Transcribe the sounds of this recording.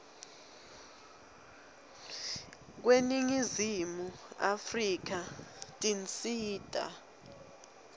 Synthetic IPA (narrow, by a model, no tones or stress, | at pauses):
k̬weniŋizimua̰frik̬atʼint͡sʼiːtʼa̰